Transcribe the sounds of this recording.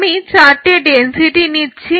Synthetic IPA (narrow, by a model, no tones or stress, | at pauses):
mĩt͡ʃaʈeɖensiʈinit͡ʃʰi